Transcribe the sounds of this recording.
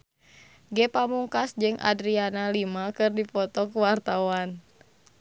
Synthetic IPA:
ɡɛpamuŋkasd͡ʒɨŋʔa̰dɾianalimakɨrdipɔt̪ɔkuwart̪awan

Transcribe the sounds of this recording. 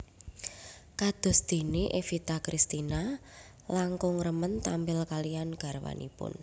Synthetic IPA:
kad̪̥ɔ̤sd̪̥e̤neʔefit̪akɾist̪ina | laŋkʊŋrəmənt̪ambɪlkalijanɡ̥a̤ɾwa̰nḭpʊ̰n

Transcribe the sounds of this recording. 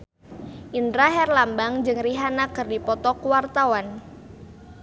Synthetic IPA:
ʔindɾaɦɛrlambaŋd͡ʒɨŋriɦanakɨrdipɔt̪ɔkuwart̪awan

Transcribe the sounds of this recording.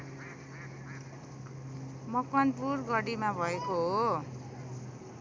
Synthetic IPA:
mʌkʌnpurɡʌɽimabʱʌekoɦo

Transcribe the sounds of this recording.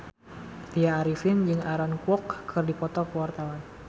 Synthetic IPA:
t̪iaːɾifɪnd͡ʒɨŋaɾɔnkwɔkːʰɨrdipɔt̪ɔkəwart̪awan

